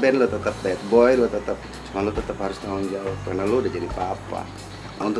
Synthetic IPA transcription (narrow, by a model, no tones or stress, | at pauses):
bɛnlot̪ət̪əp̚bɛt̪̚bɔjlot̪ət̪əp̚ | malot̪ət̪əphaɾʊst̪aʊnd͡ʒaʊkarnaloudahd͡ʒadipapa̰ | a̰unt̪ʊ